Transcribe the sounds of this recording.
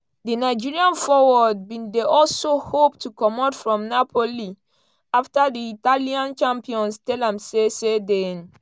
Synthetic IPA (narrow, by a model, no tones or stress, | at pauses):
dinaɪd͡ʒiɹiãnfɔwɔd̚bĩndeʔɔlsohoptukɔmɔtfɹɔ̃mnapʰoli | aftadiitaliãnt͡ʃãmpiɔ̃nstɛlãmsesedɛ̃n